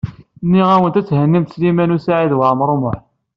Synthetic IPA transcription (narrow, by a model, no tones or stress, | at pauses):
nːiʁæwənt̪æt͡sːhənːimt̪slimænusaʕiðwəʕmɾˤomʊħ